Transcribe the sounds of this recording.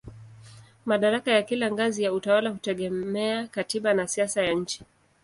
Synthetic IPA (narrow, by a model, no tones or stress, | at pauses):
maɗaɾakajakilaŋɡazijautawalahutɛɠɛmɛakatiɓanasiasajaɲ̩t͡ʃi̥